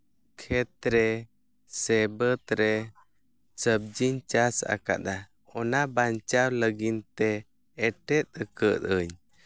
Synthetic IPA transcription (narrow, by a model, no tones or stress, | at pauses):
kʰɛt̪̚ɾɛ | sɛbət̪ɾɛ | səb̚d͡ʒiɲt͡ʃasa̰ka̰ʔd̪a | ɔnabaɲt͡ʃawləɡint̪ɛː | ʈɛt̪̚əkət̪əɲ